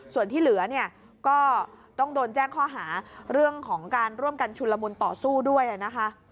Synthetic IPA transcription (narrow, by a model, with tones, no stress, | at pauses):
su˨˩nt̪ʰiː˥˩lɯ˨˩˦ɐni˥˩ə | kɔː˥˩t̪ɔ˥˩ŋdoː˧nt͡ɕɛː˥˩ŋkʰɔː˥˩ɦaː˩˦ɾɯ˥˩əŋkʰɔː˩˦ŋkaː˧nɾu˥˩əmka˧nt͡ɕʰu˧lːa˧mu˧nt̪ɔː˨˩suː˥˩du˥˩əjʔa˨˩na˦˥kʰa˦˥ʔ